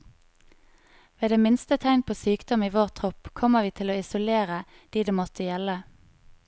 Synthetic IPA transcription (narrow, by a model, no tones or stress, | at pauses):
ʋeːd̪eːmɪnst̪ət̪ʰæɪnpʰoːsyːkd̪ɔmiːʋoːʁt̪ʰʁɔpkʰɔməʋiːt̪ʰɪloːɪsʊleːʁə | d̪̥iːd̪eːmɔt̪ʰəjɛlə